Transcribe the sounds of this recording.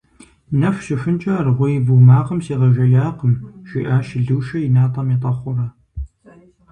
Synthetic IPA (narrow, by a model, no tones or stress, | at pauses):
nɐfʃɪfɨnt͡ʃʼɐrʁʷʊjibuːmaːqəmsiːʁɐʒɐjaːqəmʃiːʔaːʃɪɮuːʃɐjinaːtʰʼɐmitʼɐχʷʊrɐ